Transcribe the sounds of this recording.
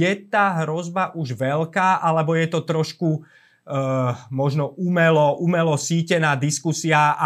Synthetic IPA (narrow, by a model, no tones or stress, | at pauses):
ɛt̪aːɦɾɔzbaʔuʒʋɛʎkaːʔalɛbɔjɛt̪ɔt̪ɾɔʃku | mɔʒnɔumɛlɔʔumɛlɔsiːcɛnaːd̪iskusiaa